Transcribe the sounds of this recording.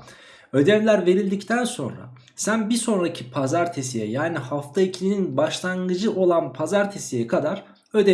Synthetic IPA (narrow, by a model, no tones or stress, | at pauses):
ø̞d̪ɛmlʲæɾve̞ɾilʲd̪ict̪ʰænso̞̰nɾa̰ | sænbiso̞nɾacʰipʰazaɾt̪ʰesijɛ̰jaːnihaft̪ʰaicʰilʲininbaʃlˠaŋɡɯd͡ʒɯʔo̞lˠanpʰazaɾt̪ʰesijɛkʰad̪aɾ | ø̞d̪ɛ